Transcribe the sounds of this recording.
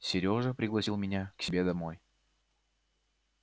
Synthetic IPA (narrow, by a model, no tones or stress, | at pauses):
sʲɪɾʲo̞ʐəpɾʲɪɡlˠɐsʲilˠmʲɪnʲaksʲɪbʲed̪ɐmo̞j